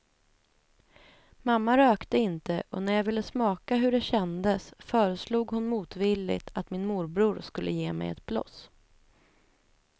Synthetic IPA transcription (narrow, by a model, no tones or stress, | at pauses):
mamːaɾøːkt̪əɪnt̪əʔɔnæɾjɑvɪlːəsmɑːkaɦɵɖɛɕɛnd̪əsfœːɾəsluːɡhʊnmuːt̪vilːɪ̰t̪ʰat̪mɪnmʊɾbɾuːɾskɵlːʔə̰jeːmɛ̰jɛ̰t̪̚blɔ̰s